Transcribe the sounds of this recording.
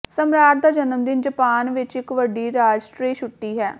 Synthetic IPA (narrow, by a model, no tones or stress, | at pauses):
səmɾaːʈ̚d̪aːd͡ʒənəmd̪ɪnd͡ʒəpaːnʋɪt͡ʃɪkʋəɖiːɾaːd͡ʒsʈɾiːʃʊʈːiːɦɛː